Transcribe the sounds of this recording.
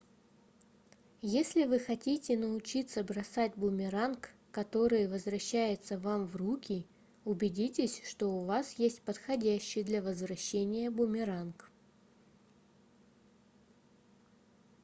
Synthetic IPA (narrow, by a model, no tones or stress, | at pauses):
jesʲlʲɪvɨxɐtʲitʲɪnəʊt͡ɕit̪səbɾɐsatʲbʊmʲɪɾankː | ɐt̪o̞ɾɨjvəzvɾɐɕːæjɪt̪səvamvrukʲɪ | ʊbʲɪdʲitʲɪsʲʂt̪o̞ʊvasjesʲtʲpət̪xɐdʲæɕːɪjd̪lʲɐvəzvɾɐɕːenʲɪjəbʊmʲɪɾank